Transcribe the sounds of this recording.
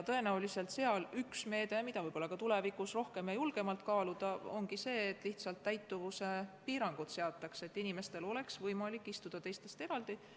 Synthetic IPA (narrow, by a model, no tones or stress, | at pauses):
t̪ɤ̞e̞næulise̞lt̪se̞ɑlyksme̞ːd̪̥e̞mid̪̥ɑvɤjbo̞lːɑkɑt̪ule̞vikusro̞hke̞mjɑjulɡ̥e̞mɑlt̪̚kɑːlud̪̥ɑoŋɡ̥ise̞ːt̪ːˑliht̪sɑlt̪ːæjt̪ːuvuse̞piːɾɑŋɡ̥ut̪se̞ɑt̪ːˑɑkse̞t̪ːinime̞st̪e̞lo̞le̞ksvɤjmɑlikːˑist̪ud̪̥ɑt̪e̞jst̪e̞st̪e̞ɾɑld̪̥i